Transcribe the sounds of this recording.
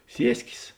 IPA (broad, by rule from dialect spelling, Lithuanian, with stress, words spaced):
ˈsʲiɛsʲkʲeːs